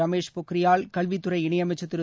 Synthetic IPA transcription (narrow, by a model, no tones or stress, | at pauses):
ɐmeːʂpʊkːɪɾɪjaːlkɐlʋit̪ːɯɾɐɪɪɳɐjɐmɐɪt͡ʃːɐt̪ːɪɾɯ